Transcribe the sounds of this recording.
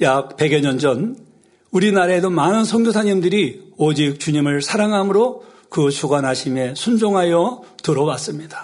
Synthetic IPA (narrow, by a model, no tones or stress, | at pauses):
jak̚pe̞ɡeɲʌnd͡ʑʌn | uɾinaɾaedomanɯnsʰʌŋɡosʰaɲimdɯɾiod͡ʑik̚t͡ɕuɲimɯɭsʰaɾaŋɦamɯɾo | kɯt͡ɕʰuɡwanɦaɕʰime̞sʰund͡ʑoŋɦajʌtɯɾʌwas͈ɯmɲidḁ